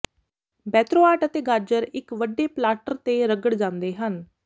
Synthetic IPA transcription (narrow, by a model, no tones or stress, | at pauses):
bɛːt̪ɾoːaːʈət̪eːɡaːd͡ʒəɾɪkʋəɖːeːplaːʈəɾt̪eːɾəɡəɽd͡ʒãːnd̪eːɦən